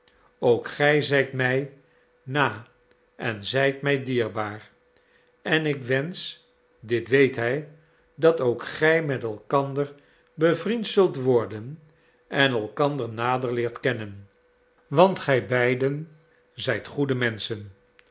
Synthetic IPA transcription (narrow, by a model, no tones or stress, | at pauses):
owkχɛjzɛjtmɛj | naː | ʔɛnzɛjtmɛjdiːɹbaːɹ | ɛnɪkʋɛns | dɪtʋejtɦɛj | dɑtowkχɛjmɛtɛlˠkɑndəɹ | bəvrintsɵlˠtʋɔɹdən | ɛnɛlˠkɑndəɹnaːdəɹlɪːɹtkɛnən | ʋɑntχɛjbɛjdən | zɛjtχudəmɛnsən